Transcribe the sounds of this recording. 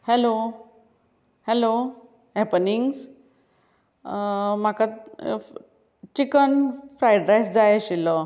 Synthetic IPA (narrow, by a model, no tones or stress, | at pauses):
hɛlo | hɛlo | ɦɛpəniŋɡs | maka | t͡ɕikənfɾajɖɾajsd͡zajɕilɔ